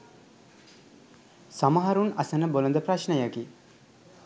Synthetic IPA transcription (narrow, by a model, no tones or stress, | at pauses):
saməɦaɾunasənəbolond̪əpraʃnəjaki